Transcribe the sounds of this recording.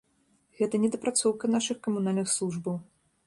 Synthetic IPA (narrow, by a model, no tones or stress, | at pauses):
ɣɛt̪ɐnʲɛd̪ɐpɾat̪sɔwkɐnaʂɨxkɐmunalʲnɨxslˠuʐbɐw